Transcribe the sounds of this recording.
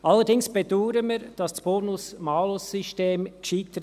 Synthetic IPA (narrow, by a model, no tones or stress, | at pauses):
ʔɑlːəɾdɪŋsb̥eduːɾəmiɾd̥ɑsdsb̥oːnʊsmɑːlʊsːyʃteːmkʃiːt̪əɾ